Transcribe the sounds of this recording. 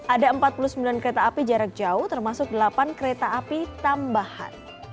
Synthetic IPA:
ʔadaəmpat̪̚pulusəmbilankəɾet̪aːpid͡ʒaɾak̚d͡ʒauht̪ərmasʊk̚dəlapankəɾet̪aːpit̪ambaha̰n

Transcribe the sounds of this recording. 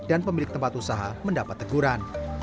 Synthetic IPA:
d̥anpəmilɪk̚t̪əmpat̪usaɦaməndapat̪ːəɡuɾan

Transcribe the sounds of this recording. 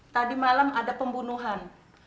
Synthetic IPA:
t̪adimalamadapəmbunuɦan

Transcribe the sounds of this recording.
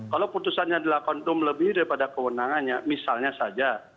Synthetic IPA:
kaloput̪usanɲaːdalakɔnt̪ʊmləbɪhdaɾipadakəwənaŋanɲamisalɲasad͡ʒa

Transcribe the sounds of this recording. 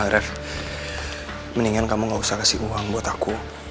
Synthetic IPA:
aɾəf | məniŋankamuŋɡausahkasiuwaŋbuat̪aku

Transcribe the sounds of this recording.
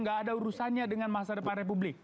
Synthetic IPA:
ŋɡaːdauɾusanɲadəŋanmasadəparep̬ublɪk̚

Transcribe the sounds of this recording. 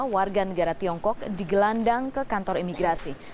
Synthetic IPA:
warɡanəɡaɾat̪iɔŋkɔk̚diɡəlandaŋkəkant̪ɔɾimiɡɾasi

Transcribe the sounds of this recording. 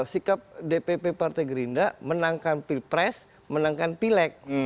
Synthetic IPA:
sikap̚depepepart̪ajɡəɾindamənaŋkanpipɾɛs | mənaŋkanpilɛk̚

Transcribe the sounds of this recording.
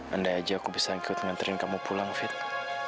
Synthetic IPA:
ʔəndaad͡ʒaːkubisaŋkʊt̪̚əŋant̪əɾɪnkamupulaŋfɪt̪̚

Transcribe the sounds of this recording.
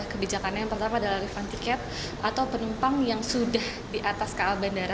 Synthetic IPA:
ahkəbid͡ʒakanɲajaŋpərt̪amadalahɾifant̪ikɛt̪̚ | ʔat̪awpənumpaŋjaŋsudah | diʔat̪askaːlbandaɾa

